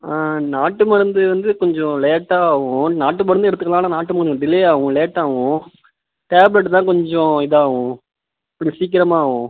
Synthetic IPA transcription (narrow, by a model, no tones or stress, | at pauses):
aːnaːʈːɯmɐɾɐnd̪ɯʋɐnd̪ɯkɔɲd͡ʒɔ̃leːʈːaːʋʊ̃naːʈːɯp̬ɔɽnd̪ɛɽɯt̪ːɯkːɐlãːnãːnaːʈːɯmɐkɐɔ̃ɖɪleːaːʋʊ̃leːʈːaːʋʊ̃ | ʈeːblɛʈ̬ːt̪ãːkɔɲd͡ʒɔ̃ɪðaːʋʊ̃ | ɐpːɐɽĩsiːk̬ːɪɾɐmaːʋʊ̃